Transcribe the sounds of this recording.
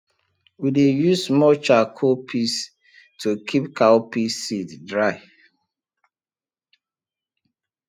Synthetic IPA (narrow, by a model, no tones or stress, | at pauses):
widejusmɔt͡ʃakʰopʰis | tʰukʰipkapisiddɹaɪ